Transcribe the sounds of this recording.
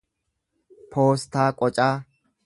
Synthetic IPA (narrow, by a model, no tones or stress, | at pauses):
pʰoːst̪aːkʼɔt͡ʃʼaː